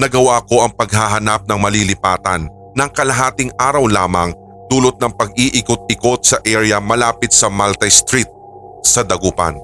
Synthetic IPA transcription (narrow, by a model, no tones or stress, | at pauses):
nɐɡɐwako̞ʔɐŋpɐɡ̚haɦɐnap̚nɐŋmɐlilɪpaːt̪ɐnː | ɐŋkɐlɐɦaːt̪ɪŋʔaːɾɐwlaːmɐŋ | d̪̥uːlot̪̚nɐŋpɐɡiʔɪkot̪̚ɪko̞t̪̚sɐʔɛɹjɐmɐlaːpɪt̪̚sɐmalt̪ɐjst̪ɾit̪̚ | sɐd̪ɐɡuːpɐ̰n